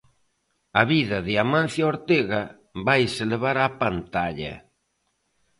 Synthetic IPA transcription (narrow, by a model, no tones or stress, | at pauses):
aβiðɐðɪamãn̟θjaoɾt̪eɣɐ | βajseleβ̞aɾapant̪aʎɐ̰